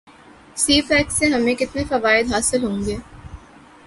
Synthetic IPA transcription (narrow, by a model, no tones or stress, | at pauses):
siːfɛːksːeɦɐmẽkɪt̪nefɐʋaːɪd̪ɦaːsɪlɦõːŋɡeː